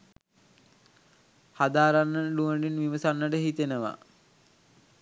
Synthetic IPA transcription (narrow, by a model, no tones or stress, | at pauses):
had̪aːɾanːəluʋəɳɖinʋiʋəsanːəɖəɦit̪enəʋa̰